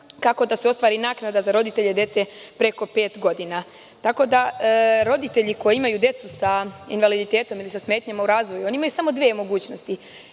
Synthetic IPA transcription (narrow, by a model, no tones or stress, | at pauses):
kako̞d̪aseo̞st̪ʋaːɾinaːknad̪azaɾo̞d̪it̪e̞ʎed̪je̞t̪se̞pɾe̞ko̞pe̞ːt̪ɡo̞d̪ina | t̪ako̞d̪aɾo̞d̪it̪e̞ʎiko̞jeimajud̪je̞t̪susaḭnʋalid̪it̪e̞ːt̪o̞milisasme̞ːt̪ɲamauɾaːzʋo̞juo̞niimajusamo̞d̪ʋiemo̞ɡuːt͡ɕno̞st̪i